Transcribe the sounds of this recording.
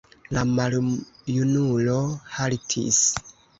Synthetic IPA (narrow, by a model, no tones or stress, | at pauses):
lamaljunulohalitʰḭs